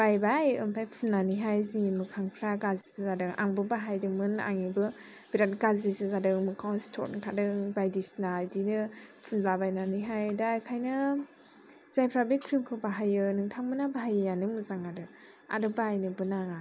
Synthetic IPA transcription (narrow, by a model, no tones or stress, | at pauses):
b̥ajbajɯmpʰajpʰunːaniɦajzimɯkʰaŋpʰɾaɡazisɯzadɯŋa̰ŋbɯbaɦajdɯmɯna̰ŋibɯ | b̥iɾatɡazdisɯzadɯŋmɯkʰawstʰɔ̰ɾ̚nɯŋtʰadɯŋbajdisnaldinɯpʰunlabajnaniɦajdaːjkʰajnɯ | z̥ajpʰɾabikʰɾimkʰɯwbaɦajɯnɯŋtʰaŋmɯnabʱajːanɯmɯzaŋadɯ | a̰dɯbajnɯbɯnaŋa